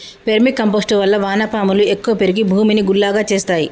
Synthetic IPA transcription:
pe̞ɾmikɐmpoːsʈuʋɐlːɐʋaːnɐpaːmulue̞kːuʋɐpe̞ɾiɡibʱuːminiɡulːaːɡaːt͡ʃe̞ːst̪aːji

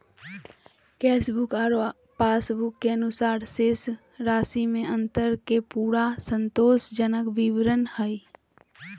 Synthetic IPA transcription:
kɛːsbʊkaɾ | paːsbʊkːeənʊsaːɾseːs | ɾaːsimẽə̃nt̪əɾkepuːɾasə̃nt̪oːsd͡ʒənəkʋiʋɾənhə

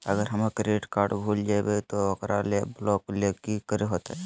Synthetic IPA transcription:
əɡəɾɦəmakeɾeːʈkaːɾʈbʱuːld͡ʒabet̪oɔkɾaleblɔːklekikəɾeɦoːt̪aɛ

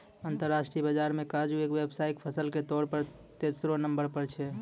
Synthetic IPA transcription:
ənt̪əɾːaʃʈɾijəbəd͡ʒaɾmekad͡ʒuekʋebsaikpʰəsəlket̪ɔɽpəɾ | t̪esɾonəmbəɾpəɾt͡ʃʰɛ

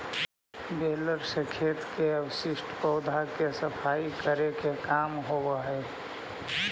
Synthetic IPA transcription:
beːləɾsəkʰeːt̪keəwsɪsʈpəʊd̪ʱakesəpʰaːikəɾekekaːmɦowaɦe

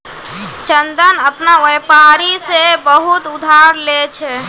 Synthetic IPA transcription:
t͡ʃənd̪ənəpnaʋepaɾisebəɦut̪ud̪ʱaɾlet͡ʃʰɛ

